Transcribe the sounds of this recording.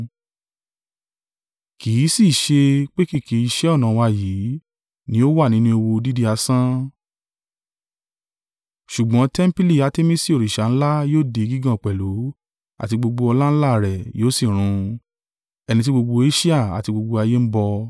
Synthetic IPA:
kiː˨˦si˦˨ʃe˧k͡pe˦ki˦˨ki˨˦i˧ʃɛ˦ɔ˦˨nã˨˦˧wa˧jiː˨˦ | nĩ˦o˦wa˦˨nĩ˦nũ˦e˧wo˧di˦di˦a˧sã˦ | ʃu˨ɡ͡bɔ̃˨˦tɛ˦m̩˦pi˦li˦˨a˧te˦mĩ˦si˦o˨ɾi˨ʃa˨˦ñ̩˦la˦joː˦˨de˨˦ɡi˦ɡã˦˨k͡pɛ˨lo˨˦ | a̰˨ti˧ɡ͡bo˧ɡ͡bo˧ɔ˧la˦n̩˦la˦˨ɾɛ˨joː˦si˦˨ɾ̃ũ˧ | ɛ˧nĩ˧t̬i˦ɡ͡bo˧ɡ͡bo˧e˦ʃi˦a˦˨a̰˨ti˧ɡ͡bo˧ɡ͡bo˧a˧je˦m̩˦bɔ˧

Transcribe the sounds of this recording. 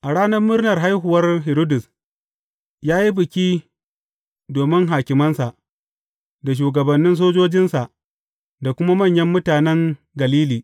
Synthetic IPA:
ʔa˨ɽaː˦nɐ˦rmʊ˦rnɐ˨rɦa˦jɦʊ˨wɐ˦rɦɪ˨ɾo˦dʊ˨s | jaː˦ji˦bɪ˨kʲiː˦ | doː˨mɪ˦ŋɦaː˨kʲɪ˨mɐ˦nsa˨ʔ | da˨ʃ̬uː˨ɡɐ˨bɐ˨nːɪ˦ns̬oː˦d͡ʒoː˦d͡ʒɪ˦nsa˨ʔ | da˨kʷʊ˦ma˦mɐ˦˨ɲjɐ˦mːʊ˦taː˨nɛ˦ŋ | ɡɐ˨liː˦liː˨

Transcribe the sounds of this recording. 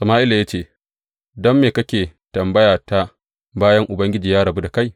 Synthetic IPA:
sɐ˨maː˦ʔɪ˦la˨ja˦t͡ʃeː˦˨ | dɔ˦mːeː˨kɐ˦kʲeː˨tɐ˨mbɐ˦jaː˨ta˦ | baː˦jɐ˦ŋʔʊ˨bɐ˦ŋɡʲɪ˦d͡ʒiː˨jaː˦ɽɐ˨bu˦da˨ka˦j

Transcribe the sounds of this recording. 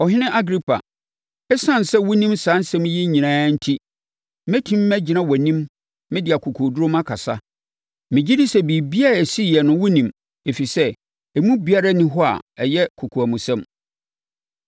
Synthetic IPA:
ɔ˨ɦɪ˦nɪ̃˦ʔa˦ɡɾi˦pʰa̰˨ | ɛ˦sã˦n˨sɛ˦wʊ̃˦nĩ˦msãː˨˦n˦sɛ̃˦m˦jɛ˦ɲĩ˨nãː˦n̩˦tʰi˦ | mɛ̃˦tʰĩ˦mː˦æ˦d͡ʑɪ˨nã˦wɔ˨nĩ˦m | mɪ̃˦dɪ˨a˨kʰu˨kʰu˨du˦ɾo˦mã˦kʰa˨sa˦ | mɪ̃˨d͡ʑi˦di˦sɛ˦bi˨bi˦a˦ɾa˨si˦˨jɛ˨nʊ̃˦wʊ̃˦nĩ˨m | e˨fi˨sɛ˦ | ɛ˨mũ˦bi˦a˦ɾa˦nɪ̃˦ɦɔ˦a̰˨ɛ˨jɛ˦kʰu˨kʰu˨æ˨mũ˨sɛ̃˦m

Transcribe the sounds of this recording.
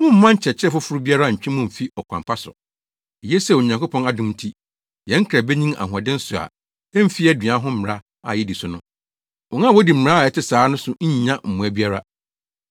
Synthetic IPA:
mʊ̃˦m̩˦mã˦ɲ̩˦t͡ɕʰɛ˨t͡ɕʰɪ˦ɛ˦fʊ˦fʊ˦ɾʊ˦bi˦a˦ɾa˦˨ɲ̩˨t͡ɕᶣĩ˦mʊ̃˦m̩˨fi˦ɔ˨kʰʷã˨mpʰa˦sʊ̰˨ | i˨je˦sɛ˦˨o˨ɲ˨ã˨ŋko˦pʰɔ̃˦na˨dʊ̃˦m˦tʰi˦ | jɛ̃˨˦ŋ̩˦kʰa˨bɛ˦ɲĩ˦ma̰˨ɦɔ˨dɪ̃˦n̩˦sʊ˨a̰˨ | ɛ˦m̩˦fi˦ɛ˦dɥã˨˦ɦʊ̃˦m̩˦˨ɪ˨ɾa˦ | a̰˨jɛ˦di˨sʊ˨nʊ̃˦ | ɔ˨nã˦˨wɔ˦di˨m̩˨a˦˨ɛ˨tɪ˦saː˨˦nʊ̃˦sʊ˨ɲ̩˦ɲ˦ɲã˦m̩˨mũ˨æ˨˦bi˦a˦ɾa˦

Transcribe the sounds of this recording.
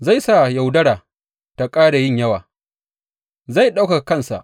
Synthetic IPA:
za˦˨jsa˦˨ja˨wdɐ˦ɽaː˨ | ta˨kʼaː˦da˨jɪ˦˨ɲjɐ˦waː˨ | za˦˨jɗa˦wka˨kɐ˦nsa̰˨ʔ

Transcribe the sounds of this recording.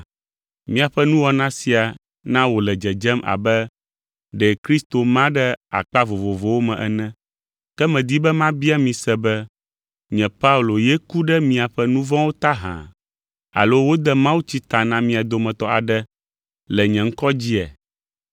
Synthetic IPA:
mĩ˦a˨ɸɛ˦nũ˦wɔ˨nã˦si˨a˨ | nã˦wo˨lɛ˨d͡ʒɛ˨d͡ʒɛ˦mʔa̰˨bɛ˦ | ɖɛ˨kɾi˦st̪o˨mã˦ɖɛ˦a̰˨k͡pa˦vo˨vo˨vo˨wo˦mɛ̃˨ʔɛ̰˨nɛ̃˦ | kɛ˦mɛ̃˨d̪i˦bɛ˦mã˦bi˦a˦mĩ˨sɛ˦bɛ˦ | ɲɛ̃˨pa˦u˨lo˨je˦ku˦ɖɛ˦mĩ˨a˨ɸɛ˦nũ˦vɔ̃˦wo˦t̪a˦ɦã̰˨ | a̰˨lo˦wo˦d̪ɛ˦mã˦wu˦t͡ɕi˦t̪a˨nã˦mĩ˦a˨d̪o˨mɛ̃˨t̪ɔ˦a̰˨ɖɛ˦ | lɛ˨ɲɛ̃˨ŋ̩˦kɔ˦d͡ʑi˦ɛ̰˨

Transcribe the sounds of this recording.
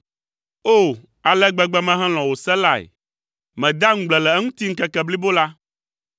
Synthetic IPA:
o˦˨ | a˨lɛ˦ɡ͡bɛ˦ɡ͡bɛ˦mɛ̃˦ɦɛ̃˦l̃ɔ̃˨wo˨sɛ˦la˦˨ḛ˨ | mɛ̃˨d̪a˦ŋ̩̃˦ɡ͡blɛ˨lɛ˨˦ŋũ˦t̪i˦ŋ̩˦kɛ˦kɛ˦bli˦bo˦la˦

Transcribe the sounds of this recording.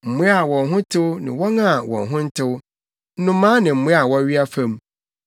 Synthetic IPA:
m̩˨mʊ̃˦a˨wɔ̃˨nɦʊ̃˦tʰɪ˦wʊ˦nɪ̰̃˨wɔ˦ŋã˦˨wɔ̰̃˨nɦʊ̃˦n̩˦tʰɪ˦wʊ˦ | nʊ̃˦mːãː˦nɪ̃˨m̩˦mʊ̃˦a˨wɔ˦ɥi˦a˦fã˦m˦

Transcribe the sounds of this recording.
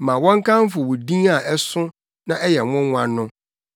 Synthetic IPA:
mã˨wɔ̃˦ŋ˦kʰã˦m˦fʊ˨wʊ˨dĩ˦a˨ʔɛ˦sʊ̃˦ | nã˦ɛ˦jɛ˨wʊ̃˦ŋʷ˦ã˨nʊ̃˦

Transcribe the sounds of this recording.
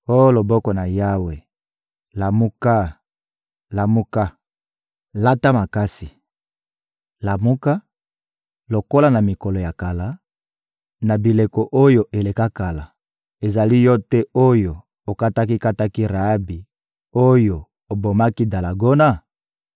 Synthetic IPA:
o˦lo˨bɔ˦kɔ˨na˨ja˦we˨ | la˨mu˦ka˦ | la˨mu˦ka˦ | la˦ta˦ma˨ka˦si˨ | la˨mu˦ka˦ | lo˨ko˦la˦na˨mi˨kɔ˨lɔ˨ja˨ka˨la˨˦ | na˨bi˨le˨ko˨ʔo˦jo˨ʔe˨le˨ka˦ka˨la˨ | e˨za˨li˦jɔ˦tɛ˦o˦jo˨ | o˨ka˦ta˦k̬i˦ka˦ta˦ki˦ʁa˨˦bi˨ | o˦jo˨ | o˨bo˨ma˦ki˦da˨la˨ɡo˦na˦

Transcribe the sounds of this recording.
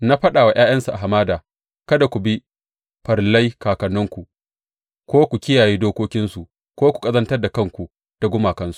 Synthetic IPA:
na˦ɸɐ˦ɗaː˨wa˨j̰ʔaː˦jɐ˦nsu˨ʔa˨ɦa˨maː˦daː˨ | kɐ˦da˨kʷu˨bi˦ | ɸɐ˨rlɐ˦jkaː˨kɐ˨nːʊ˦ŋkʷu˨ | kʷoː˦kʷu˨kʲɪ˦jaː˨jiː˦doː˦kʷoː˦kʲɪ˦nsu˨ | kʷoː˦kʷu̥˨kʼɐ˦zɐ˦ntɐ˦rda˨kɐ˦˨ŋkʷu˨ | d̥a˨ɡʷʊ˦maː˨kɐ˦nsu̥˨ʔ

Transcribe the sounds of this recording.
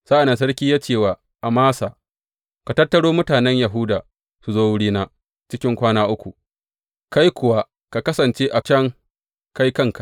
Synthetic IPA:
sa˦ʔa˨na˨ns̬ɐ˦ɽkʲiː˦jaː˦t͡ʃeː˦˨waː˨ | ʔa˨maː˦saː˨ | ka˨tɐ˦tːɐ˦ɽoː˦mʊ˦taː˨nɛ˦ɲja˨ɦʊ˦daː˨ | su˨zoː˦wʊ˦ɽiː˦naː˦ | t͡ʃɪ˦kʲɪ˦ŋkʷaː˦naː˦ʔʊ˦kʷu˨ | ka˦jkʷʊ˨wa˦ | ka˨kɐ˦sɐ˨nt͡ʃeː˦ʔa˨t͡ʃɛ˦ŋ | ka˦jkɐ˦ŋka˨

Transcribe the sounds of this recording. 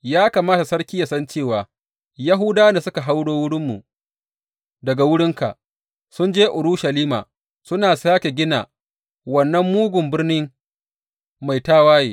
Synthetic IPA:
jaː˦kaː˨maː˦ta˨sɐ˦ɽkʲiː˦ja˨sɐ˦nt͡ʃeː˦˨waː˨ | ja˦ɦʊ˦daː˦na˨sʊ˦ka˨ɦa˦wɽoː˦wʊ˦ɽɪ˦mːṵ˨ | dɐ˨ɡa˨wʊ˦ɽɪ˦ŋka̰˨ʔ | sʊ˦nd͡ʒeː˦ʔʊ˨ɾʊ˦ʃɐ˨liː˦ma̰ː˨ | sʊ˦naː˨saː˦kʲe˨ɡʲɪ˦na̰ː˨ | wɐ˨nːɐ˦mːuː˦ɡʷʊ˨mbɪ˦rnɪ˦ŋ | ma˨jtaː˦waː˦jeː˨

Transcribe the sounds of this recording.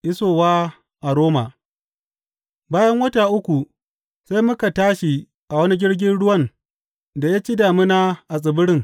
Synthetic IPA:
ʔɪ˦soː˨waː˦ | ʔa˨ɽoː˦ma˨ | baː˦jɐ˦ŋwɐ˦taː˨ʔʊ˦kʷu˨ | sa˦jmʊ˦ka˨taː˦ʃi˨ | ʔa˨wɐ˦ni˦ɡʲɪ˦ɽɡʲɪ˦nɽʊ˦wɐ˦n | da˨jaː˦t͡ʃiː˦daː˨mɪ˦naː˦ʔa˨sʼɪ˨bʊ˦ɽɪ˦˨ŋ

